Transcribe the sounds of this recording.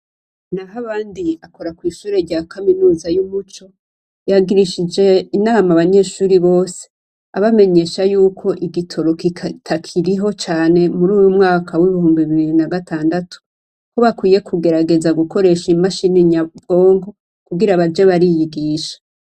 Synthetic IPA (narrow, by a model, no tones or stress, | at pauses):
naɦaβaːndiako̞ɾakwiːʃuːɾe̞ɾɟakaminuːzajumut͡ʃo̞ | jaɡiɾiʃid͡ʒe̞inaːmaβaɲe̞ʃuːɾiβo̞ːse | aβame̞ɲe̞ʃajuːkʰo̞ʔiɡitʰo̞ɾo̞kitʰakʰiɾiɦo̞t͡ʃaːne̞muɾuːjumŋaːkʰawiβihuːmbiβiβiiɾinaɡatʰaːndatʰu̥ | koβakwiːje̞kʰuɡe̞ɾaɡe̞zaɡuko̞ɾe̞ʃimaʃiniɲabɡ̥o̞ːŋɡo̞ | kuɡiɾaβad͡ʒe̞βaɾijiɡiːʃḁ